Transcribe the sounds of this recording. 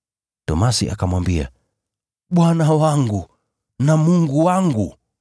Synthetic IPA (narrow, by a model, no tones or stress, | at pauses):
tɔ̰masiʔa̰kamwambia̰ | ɓwanawaŋɡu | namuŋɡuwaŋɡu